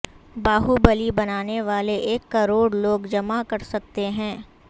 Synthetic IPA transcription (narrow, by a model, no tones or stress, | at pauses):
baːɦubɐlibɐnaːneʋaːleʔeːkːɐɾoːɽloːɡd͡ʒɐmakɐɾsɐk̚t̪eɦɛ̃ː